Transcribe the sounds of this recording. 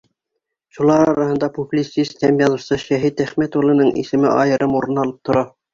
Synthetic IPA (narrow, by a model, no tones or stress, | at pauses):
ʃulˠɑɾɾɑɾɑhɤ̆nd̪ɑpuplʲit̪sist̪hæmjɑlˠɤ̆fsɤʃæɦit̪æχmæt̪ulˠɤ̆nɤɴʔḭsɘ̆mɘʔɑjɤ̆ɾʔɤmuɾɤ̆nɑlˠɤp̚t̪ʰŏɾɑ